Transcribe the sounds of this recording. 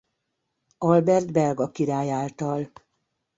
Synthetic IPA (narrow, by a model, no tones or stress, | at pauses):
ɒlbɛrd̪bɛlɡɒkiɾaːjaːlt̪ɒl